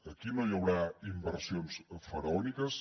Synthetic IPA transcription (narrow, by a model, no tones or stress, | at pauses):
əkinojəwɾaimbəɾsionsfəɾəɔnikəs